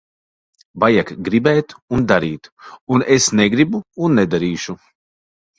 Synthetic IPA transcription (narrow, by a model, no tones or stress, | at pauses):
bajakɡɾibɛːt̪und̪aɾiːt̪unesneɡɾibuːnːɛd̪aɾiːʃu